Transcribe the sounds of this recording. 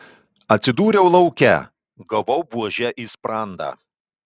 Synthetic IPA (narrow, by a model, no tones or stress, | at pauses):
ɐt̪ʲsʲɪd̪uːɾʲɛʊlˠɐʊkʲɛ̰ | ɡɐʋɔʊbuɔʒʲɛʔiːspɾɑˑnd̪ɑ̰ː